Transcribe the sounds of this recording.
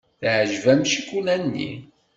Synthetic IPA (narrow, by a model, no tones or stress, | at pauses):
θʕʒvæmʃikulænːḭ